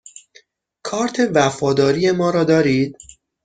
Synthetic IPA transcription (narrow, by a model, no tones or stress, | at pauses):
kʰɒːɾt̪ʰe̞væfɒːd̪ɒːɾije̞mɒːɾɒːd̪ɒːɾiːd̪̥